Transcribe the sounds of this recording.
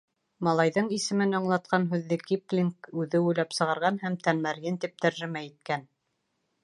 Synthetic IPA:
mɑlˠɑjðɤɴisɘ̆mɘnɑ̆ɴlˠɑt̪̚qɑnɦʉðːɘkiplʲiŋkʉðɘujlæpsɤ̆ʁɑɾʁɑnhæmt̪ænmæɾɡɘnt̪ip̚t̪æɾʒɘ̆mæit̪̚kæn

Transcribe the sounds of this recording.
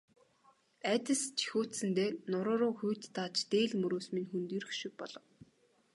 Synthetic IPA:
æt̪ʲə̆st͡ɕʰi̥xoːt̪sɘ̆nt̪eːnʊɾʊːɾʊːxujʰt̪ːat͡ɕt̪eːɮmɵɾoːsminxunt̪iɾ̆xʃɪ̆k̚pɔɮɞ̆w

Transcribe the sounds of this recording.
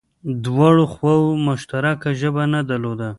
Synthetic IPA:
d̪wɑɽoxwawmʊʃt̪aɾakaʒəbanad̪alod̪a

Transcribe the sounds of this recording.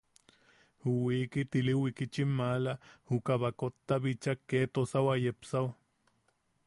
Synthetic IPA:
huwiːkit̪iliwikit͡ʃimːalahukaβakot̪ːaβit͡ʃakːeːt̪osawajepsaw

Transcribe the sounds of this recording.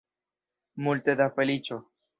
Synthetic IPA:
mult̪ed̪afelit͡ʃo

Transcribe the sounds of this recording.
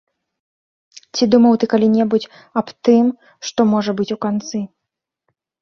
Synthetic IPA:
t͡sʲid̪umɐwt̪ɨkalʲinʲɛbut͡sʲ | ɐpt̪ɨm | ʂt̪ɔmɔʐɐbɨt͡sʲukant̪sɨ

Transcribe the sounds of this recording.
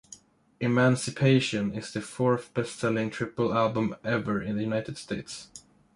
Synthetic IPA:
ʔɪmæ̃nsɨpʰeɪʃɨ̃nɪz̥ðɨfɔɹθb̥ɛstsɛlˠɪ̃ŋtʰɹ̥ɪpəl̩ˠælˠbə̃mɛvə˞ɪ̃nðɨjʉnaɪtɨd̥steɪts

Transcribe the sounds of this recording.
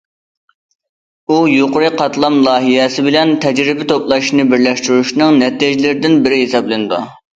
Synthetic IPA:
ujoqʊɾɨqʰɑt̪lˠɑmlˠɑːɦijɛsɪbɪlɛnt̪ʰɛd͡ʒɾɪbɪt̪ʰoplˠɑʃnɨbɪɾlɛʃt̪yɾuʃnɨŋnɛt̪iʒlɪɾɪd̪ɪnbɪɾɪɦesɑblˠɨnɨd̪ṵ

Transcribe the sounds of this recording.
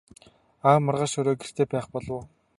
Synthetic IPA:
aːmʊrʁaːʃɵɾoːɡer̥t̪eːpæːχpɔɮʊ̆ː

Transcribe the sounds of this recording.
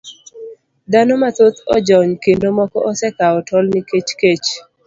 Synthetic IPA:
d̪anomat̪ot̪ɔd͡ʒɔɲkendomɔkɔʔɔsɛkaɔtʰɔlniket͡ʃket͡ʃ

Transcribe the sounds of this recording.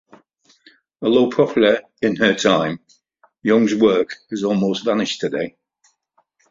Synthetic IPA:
əloʊpʰɹ̥ɒpʰl̩əɹ | ɪ̃nətʰãɪ̃m | jʊ̃ŋzwɜˑkɪzɔːˑlˠmoʊstvanɪʃtʰədḛɪ

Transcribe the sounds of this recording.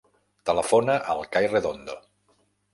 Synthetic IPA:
t̪ələfonəʔəlˠkajreðond̪o

